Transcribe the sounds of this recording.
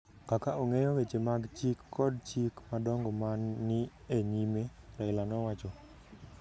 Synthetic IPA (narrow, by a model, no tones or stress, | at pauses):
kakaoŋejɔwet͡ʃemaɡt͡ʃikːɔd̚t͡ʃikmadɔŋɡɔmanːɪ | eɲimeɾaɪlanɔwat͡ʃɔ